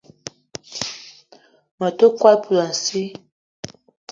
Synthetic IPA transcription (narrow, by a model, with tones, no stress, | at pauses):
ma˨to˦kwa˦lpu˨la˨n̩˨si˦